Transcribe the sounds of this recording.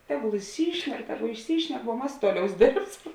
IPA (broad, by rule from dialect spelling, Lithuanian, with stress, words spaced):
ˈtʲæːˌɡʊlˠ ɪʃʲˈsʲiːʃʲnʲɛk ˈtʲæːˌɡʊ ɪʃʲˈsʲiːʃʲnʲɛk ʋuɔ ˈmɐs ˈtuɔˌlʲɛʊs ˈdʲeːrpsɐm